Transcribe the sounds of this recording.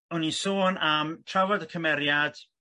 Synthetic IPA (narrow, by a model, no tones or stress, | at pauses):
ʊnisoːnamtʰravɔdəkʰəmɛɾjad̥